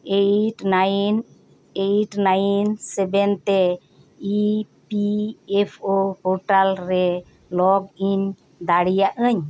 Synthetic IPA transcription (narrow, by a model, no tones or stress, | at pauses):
eʈan | eʈnajnsɛbɛnt̪ɛ | ipiepʰohoɾʈalɾɛ | lɔɡiɲ | d̪aɽijaʔəɲ